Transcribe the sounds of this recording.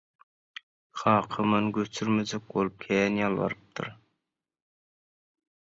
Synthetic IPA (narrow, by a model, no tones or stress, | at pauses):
χɑːqʰəmɨnɡʲøt͡ʃ̪ʰyɾmed͡ʒɛk̚bolˠup̚kʲʰɛːnjɑlˠwɑ̰ɾɨp̚t̪ʰɨ̰ɾ